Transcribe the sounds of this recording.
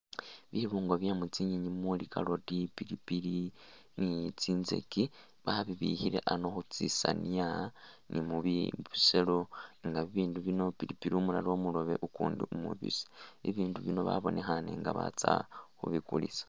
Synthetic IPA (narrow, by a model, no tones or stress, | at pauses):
βiβuːŋɡo̞βjamut͡siɲiɲimulikʰalo̞tipiɾipiɾi | nit͡siːnze̞̰ki | βaβiβḭhiɾe̞ʔano̞xut͡sisania | nimuβiβuse̞loŋɡaβiβiːnduβino̞piɾipiɾiumulaɾo̞muloβe̞ʔukuːndiumuβḭse̥iβiːnduβino̞βa̰βo̞nexaneŋɡaβa̰t͡saxuβikulisḁ